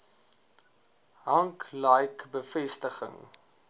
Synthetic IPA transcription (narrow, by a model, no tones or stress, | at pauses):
ɦɐŋklɐjkbəfɛstəχə̰ŋ